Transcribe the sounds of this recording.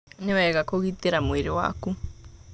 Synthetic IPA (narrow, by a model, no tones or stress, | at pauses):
neβaɛɣakoɣiteɾamweɾewa̰ku